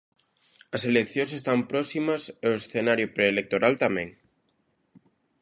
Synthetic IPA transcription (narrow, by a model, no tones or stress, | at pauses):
ɐselekθjõnsest̪ampɾɔsimɐseoesθenaɾjopɾeːlek̚t̪oɾʔalt̪amḛ̃ŋ